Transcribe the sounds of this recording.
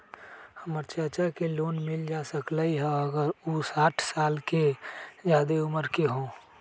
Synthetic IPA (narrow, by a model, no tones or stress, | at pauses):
həməɾt͡ʃəɾt͡ʃakeloːnmɪld͡ʒaːsəklaiɦɛ̃əɡəɾusaːʈʰsaːlkezjaːd̪eʊməɾkeɦõː